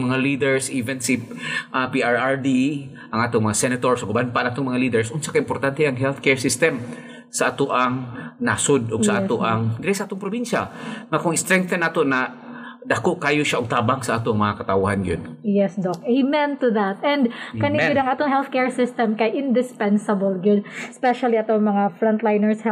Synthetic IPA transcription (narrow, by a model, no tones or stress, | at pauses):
mɐŋaliːd̪ɛɹsʔiːvɛnsiʔapiaɹaɹd̪i | ʔɐŋʔaːt̪oŋmɐŋasɛnɐt̪oɹsoɡbanpaʔanʔaːt̪oŋmɐŋaliːd̪ɛɹsʔʊnsakaʔɪmpoɾt̪ant̪ɛʔɐŋɦɛlθkɛɹsɪst̪ɛm | sɐʔaːt̪oʔaŋnasod̪ʔoɡsɐʔaːt̪oʔaŋɡɾɛjsʔaːt̪oŋpɾobinʃa̰ŋakʊŋɪst̪ɾɛŋk̚t̪ɐnːaːt̪onɐd̪akoʔkaːjoʃaʔoɡ̚t̪aːbaŋsɐʔaːt̪oŋmɐŋakɐt̪awʊhanɡɐjonjɛsd̪okimɛnt̪ʊðat̪̚ɛnd̪kɐnɪɡʊd̪ɐŋʔaːt̪oŋɦɛlθkɛɹsɪst̪ɛmkɐʔɪnd̪ɪspɛnsɐbɐlɡʊd̪spɛʃɐliɐt̪oŋmɐŋafɾɔnt̪lajnɛɹshɛ